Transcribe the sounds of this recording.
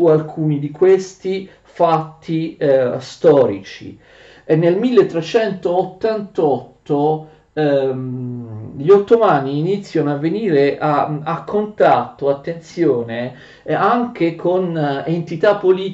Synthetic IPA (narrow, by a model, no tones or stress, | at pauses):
ualkʰuːnid̪ikwest̪i | fat̪ːist̪ɔːɾit͡ʃḭ | enːelmilːet̪ːɾet͡ʃɛnt̪oːt̪ːant̪ɔt̪ːo | ʎot̪ːomaːniːnit̪sːjanoavːeniːɾeʔaakʰːont̪at̪ːoat̪ːent̪sjoːne | aŋk̟ekʰonent̪it̪apːoliː